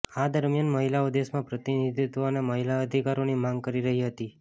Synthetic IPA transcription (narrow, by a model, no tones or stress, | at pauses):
ad̪əɾmjanməɦilaod̪esmãpɾət̪inid̪ʱit̪ʋoneməɦilaəd̪ʱikaɾonimaŋɡkəɾiɾəɦiɦət̪i